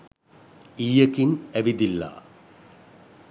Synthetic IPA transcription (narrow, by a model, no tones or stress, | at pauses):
iːjekinæʋid̪ilːa̰